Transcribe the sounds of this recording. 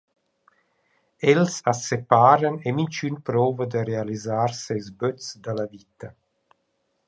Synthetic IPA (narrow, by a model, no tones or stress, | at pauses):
ɛlsasepaːɾanemint͡ʃynpɾɔːvəd̪ərealizaɾsezbøt͡sd̪alavit̪a